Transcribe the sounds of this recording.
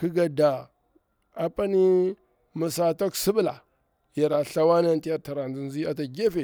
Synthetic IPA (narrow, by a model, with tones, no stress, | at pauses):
ki˦ɡa˨da˨ | a˨pa˦ni˦ | mə˨sa˨to˦ksi˦bla˨ | ja˨ɾa˨ɬa˦wa˦na˦nti˦ja˨ɾta˨ɾa˨nzi˨nzi˦a˨ta˨ɡe˦fe˨